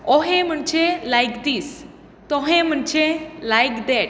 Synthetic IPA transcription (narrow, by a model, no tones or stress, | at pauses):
ɔɦẽm̤əɳt͡ʃelajkd̪is | t̪ɔɦẽm̤əɳt͡ʃelajkd̪ɛʈ̚